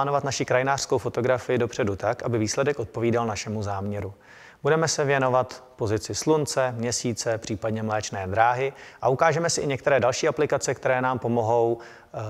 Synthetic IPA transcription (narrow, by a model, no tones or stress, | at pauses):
aːnovat̪naʃɪkɾajɪnaːr̥skowfo̞t̪o̞ɡɾafɪjɪdo̞pr̥ɛdut̪akʔabɪviːslɛdɛkʔo̞t̪̚po̞viːdalnaʃɛmuzaːmɲɛɾu | budɛmɛsɛvjɛno̞vat̪po̞zɪt͡sɪslunt͡sɛmɲɛsiːt͡sɛpr̝̥iːpadɲɛmlɛːt͡ʃnɛːd̪ɾaːɦɪʔaʔukaːʒɛmɛsɪʔɪɲɛk̚t̪ɛɾɛːdalʃiːaplɪkat͡sɛkt̪ɛɾɛːnaːmpo̞mo̞ɦo̞w